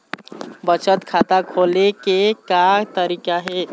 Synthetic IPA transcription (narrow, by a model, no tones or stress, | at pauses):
bət͡ʃət̪kʰat̪akʰolekekat̪əɾikaɦe